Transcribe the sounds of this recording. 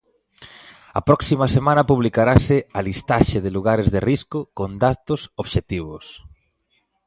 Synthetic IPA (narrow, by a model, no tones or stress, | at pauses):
ɐ̰pɾɔksimɐsemãnɐpuβlikaɾasɪalist̪aʃeðɪluɣaɾezðeriskʊkond̪at̪ʊsoβʃet̪iβ̞ʊs